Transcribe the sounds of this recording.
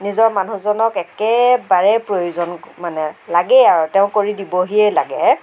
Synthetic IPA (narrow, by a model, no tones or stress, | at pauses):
nizɔɹmanuzɔnɔkɛkɛbaɹɛpɹojuzɔnmanɛlaɡɛaɹuteʊ̃koɹidibɔɦiɛla̰ɡɛ